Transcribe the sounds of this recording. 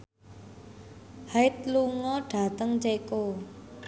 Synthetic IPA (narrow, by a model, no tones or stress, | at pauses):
haɪt̪̚luŋɔɖ̥a̤t̪əŋt͡ʃeko